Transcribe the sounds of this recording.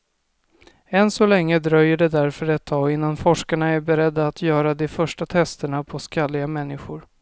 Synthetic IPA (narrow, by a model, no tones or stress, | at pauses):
ɛnsɔlɛŋːəd̪ɾœjːəɖɛd̪æɾfœɾɛt̪ʰːɑːɡɪnːanfɔʂkaɳaæɾbɛɾɛd̪ːaːt̪ʰjœːɾad̪ɛfœʂʈat̪ʰɛst̪əɳapʰɔskalːɪɡamɛnːɪɧʊɾ